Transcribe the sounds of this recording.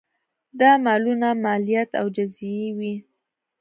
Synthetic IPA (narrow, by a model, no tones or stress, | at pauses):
d̪ɑmɑlunamɑlijat̪a̰wd͡ʒazewi